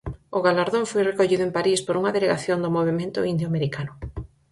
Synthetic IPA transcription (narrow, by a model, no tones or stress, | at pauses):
ʊɣalaɾðõŋfojrekoʎiðʊempaɾispoɾuŋɐðeleɣaθjond̪ʊmoβemẽnt̪ʊ̰ind̪joameɾikanʊ